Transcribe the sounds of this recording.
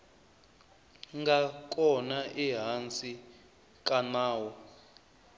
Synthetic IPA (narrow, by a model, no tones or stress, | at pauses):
ŋɡak̬ʼɔnaʔiɦant͡sʼi | kʼanaːwɔ